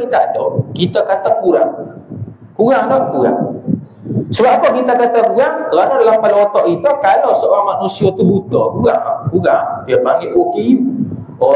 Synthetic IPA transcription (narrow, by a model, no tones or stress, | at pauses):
it̪aʔdɔkit̪akat̪akuɾa̰ŋ | kuɡaŋdɔkuɡa̰ŋ | səbap̚pɔkit̪akat̪akuɾaŋkəɾanɔdalampalɔt̪ɔʔkit̪ɔkalɔsɔamanusiɔt̪ubut̪ɔkuɡaŋkuɡaŋbiabaŋiʔoki | ɔ